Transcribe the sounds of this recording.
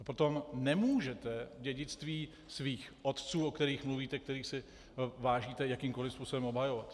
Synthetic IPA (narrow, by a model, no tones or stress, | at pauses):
pɾot̪o̞mnɛmuːʒɛt̪ɛɟɛɟɪt͡st̪viː | sviːxʔo̞t̪t͡suːokt̪ɛɾiːxmluviːt̪ɛkt̪ɛɾiːxsɪ | vaːʒiːt̪ɛjakiːmko̞lɪfspuːsobɛmobɦajo̞vat̪